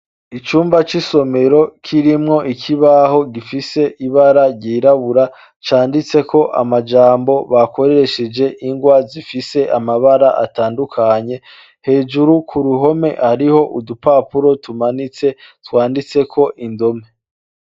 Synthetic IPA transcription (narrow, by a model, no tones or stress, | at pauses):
it͡ʃuːmbat͡ʃiso̞me̞ɾo̞kʰiɾimŋo̞ʔikʰiβaɦo̞ɡifise̞ʔiβaɾaɾɟiːɾaβuɾa | t͡ʃaːndit͡se̞kʰo̞ʔa̰mad͡ʒaːmbo̞βako̞ɾe̞ɾe̞ʃed͡ʒe̞ʔiŋɡwazifise̞ʔamaβaɾaʔa̰taːndukʰaɲe̞ | he̞ːd͡ʒuɾukʰuɾuɦo̞me̞̰haɾiho̞ʔudupaːpuɾo̞tumanit͡se̞twaːndit͡se̞kʰo̞ʔindo̞me̞